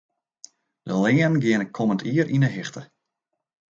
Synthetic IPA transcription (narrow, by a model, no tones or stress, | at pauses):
d̥əlɪənɡɪənəkʰoməntiəɾʔinəɦɪxtə